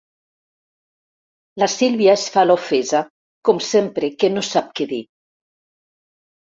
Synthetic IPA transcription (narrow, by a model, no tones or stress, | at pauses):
lasilβjaesfalofeza | kɔmsempɾekenosap̚keði